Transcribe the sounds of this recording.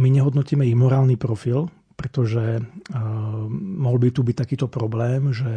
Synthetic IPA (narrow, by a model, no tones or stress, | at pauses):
miɲɛɦɔd̪nɔciːmɛiɣmɔɾaːlnipɾɔfil | pɾɛt̪ɔʒɛ | mɔɦɔlbit̪ubic̚t̪akiːt̪ɔpɾɔblɛːmʒɛ